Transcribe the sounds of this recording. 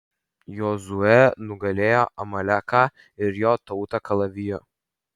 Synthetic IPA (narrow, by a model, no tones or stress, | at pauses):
joːzʊɛnʊɡɐlʲeːjoːʔɐmɐlʲækaː | ɪɾjoːt̪ɔʊt̪ɐkɐlˠɐʋʲɪjoː